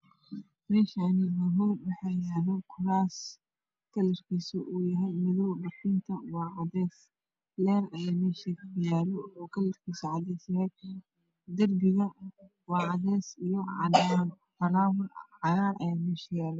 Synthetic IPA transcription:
mɛːʃanɪmɐɦɔwɔħajaːlɔkʰʊɾaːs | kʰɐlɐrkʰisɔʔuːjɐɦɛjmɪðɔwɖɐfiːnt̪ʰɐwɑːʕɑðɛːs | lɛːrɐjaːmɛːʃikʊjaːlɔɔːkʰɐlɐrkʰiːsɔʕɑðɛsjɐhɛj | d̪ɐrbɪɣɐn | wɑːʕɑðɛːsijɔ | fɐlaːwɐʕɑjaːɾʔɐ̰jaːmɛːʃjaːlɛ

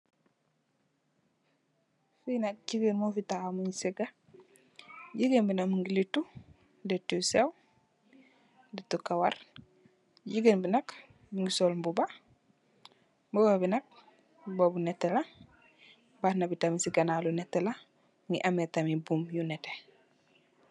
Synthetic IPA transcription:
finɐk̚ɟiɡenmofitaamuɲiseɡa | ɟiɡenbinakmiŋɡilitːu | detusew | detukawaɾ | ɟiɡenbinɐk | miŋɡisolmbuba | mbuɡabinɐk̚ | bobunɛtːela | batnabitamisiɡanalunɛtːela | ŋɡiʔametamibumjunɛte

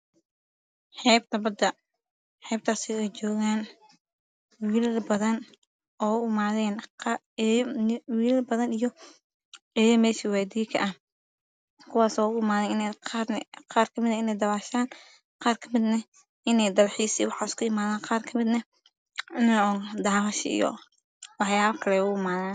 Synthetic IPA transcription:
ħɛːb̚t̪ʰɐbɐd̪ɐ | ħɛːb̚t̪ʰaːsɪɛjt͡ʃɔːɣaːn | wiːlbɐðɐn | ɔːʊmaːðɛːn | wiːlɐlbɐðɐnijɔ | ɛjɐmɛːʃiwɛːd̪iːkʰɐ̰ʔɐh | kʰʊwaːsɔːʊɪmaːðɛnɪnɛqːnqɑːrkʰɐmɪd̪ɐɪnɛjd̪ɐwaːʃaːn | qɑːrkʰɐmɪd̪nɐ | ʔɪnɛjd̪ɐlħiːsiːwɑħɑːɪskʰʊɪmaːðaːnqɑːrkʰɐmɪd̪nɐ | ɪnɔd̪aːβɐʃɪḭjɔ̰ | wɑħjaːβɐkʰɐlɛʊʊmaːðaːn

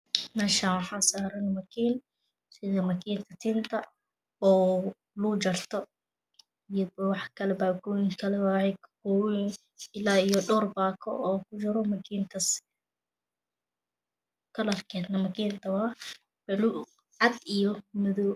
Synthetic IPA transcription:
mɛːʃaːnwɑħɑːsaːɾɐnmɐkʰiːn | sɪðɐmɐkʰiːnt̪ʰɐt̪ʰiːnt̪ʰɐ | ɔː | lud͡ʒɐrt̪ʰɔ | ijɐbwɑħkʰɐlɛbaːɡʰɔːjɪŋkʰɐlɛwahɛkkɔwɪn | ɪlaːijɔɖɔːrbaːkʰɔ̰ʔɔːkʰʊd͡ʒɐɾɔmɐkʰiːnt̪ʰɐs | kʰɐlɐrkʰɛːd̪nɐmɐkʰiːnt̪ʰɐwɑ | b̥ɛlu | ʕɑd̪ijɔmɪðɔw

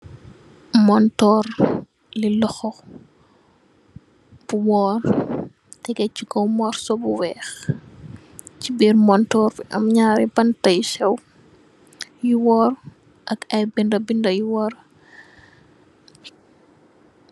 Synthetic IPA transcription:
mɔntɔːr | lilɔxɔ | b̥uwɔːr | tɛɡɛcikɔwmɔːɾsɔbuwɛːx | cibiːɾmɔntɔːɾfiʔɐmɲaːɾibɐntɐjʃɛw | juwɔːr | ʔɐkɐjbindɐbindɐjuwɔːɾ

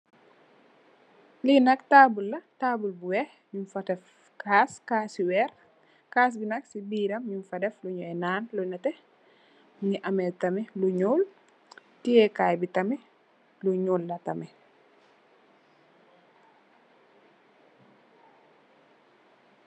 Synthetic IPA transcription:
linɐktaːbulːɐtaːbulbuwɛh | ɲunfɐdɛf | kʰaːskaːsiwɛːɾ | kaːs̬binɐksibiːɾɐmɲunfɐdɛfluɲɔɛnaːnlunɐtɛ | ɲiʔɐmeltɐmɛluɲoːl | tiɛkaːjbitɐmɛ | luɲoːlːɐtɐmɛ

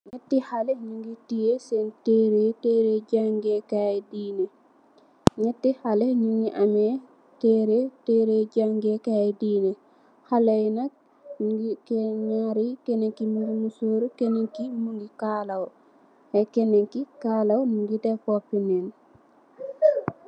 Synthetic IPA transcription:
ɲɛtːihalɛɲuŋɡitijesɛntɛɾetɛɾɛd͡ʒaŋɡɛkajɛdinɛ | ɲɛtːihalɛɲuŋɡiʔamɛ | tɛɾetɛɾed͡ʒaŋɡɛkaɛdiːnɛ | halajna | kɲaɾikɛnɛŋkimuɡimusoːɾukɛnɛŋkimuŋɡikalaw | hɛkɛnɛŋkikaːlawnuŋɡitɛkɔpːinɛn

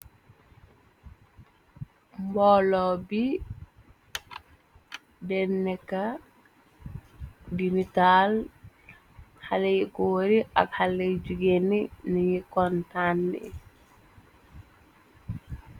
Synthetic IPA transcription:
mbɔlɔbi | dɛnːɛka | dimital | halɛjikɔwoɾiʔa̰khaled͡ʒuɡenːinijikɔntandɛ̰

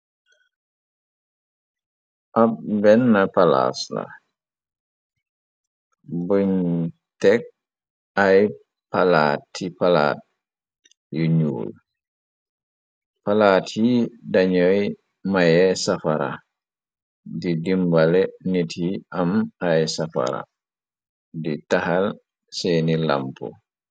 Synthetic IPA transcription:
ʔap̚bɛnːɐpala̰sla̰ | buɲ | tɛk̚ | aj | palaːtːipala̰ːt̚ | juɲṵːl | palaːtidaɲɔj | majɛsafaɾa̰ | didimbalɛnitʰiʔamajsafa̰ɾa̰ | ditahal | sɛːnila̰mpɔ̰

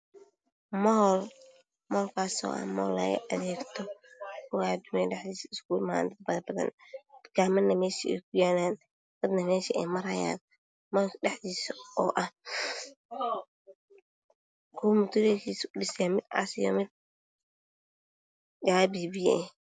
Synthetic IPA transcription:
mɔl | mɔːlkʰaːsɔ̰ːʔɐ̰hmɔ̰ːlːɐ̰ɣɐ̰ʔɐðɛːɡt̪ʰɔkʰʊwad̪ʊmɛɖɛħðiːsɐɪskuːlma̰ːnd̪ɐd̪̚bɐðɐbɐðɐ̰nkaːmɐnːɐmɛːʃiɛ̰jkʰʊjaːnaːn | d̪̥ɐd̪nɐmɛːʃiʔɛjmɐɾɐja̰ːn | mɔɛħðiːsɔːʔɐh | kʰʊːmʊt̪ʰʊɾɛkʰiːsʊɖɪsaːmɪd̪a̰sɪjɔ̰mɪd̪̚ | jaːbiːbɪjɛɛ

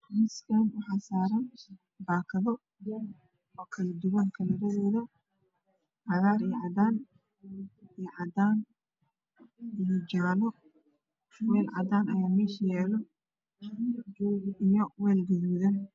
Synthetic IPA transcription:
rɪskʰɐnwɑħɑːsaːɾɐn | baːkʰɐðɔ | ɔːkʰɐlɐd̪ʊwɐŋkʰɐlɐɾɐðɛːðɐ | ʕɑðaːɾijʕɑd̪aːn | ɛʕɑd̪aːn | ijɔd͡ʒaːnɔ | wɛːlʕɑd̪aːnɐjaːmɛːʃjɛːlɐ | d͡ʒɔːɣijɔwɛːlɡʊðuːðɐn

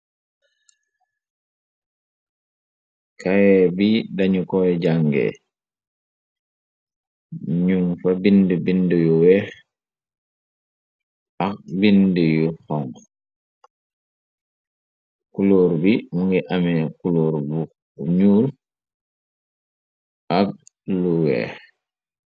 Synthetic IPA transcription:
kawɛbidaɲukɔɛɟaŋɡɛ̰ | ɲuŋfabindəbindəjuwɛːx | ʔaxbindəjuxɔŋ | kuloɾbimuŋɡiʔamɛkuloːɾbu | ɲuːl | ʔaɡ̚ | luwɛ̰ːx

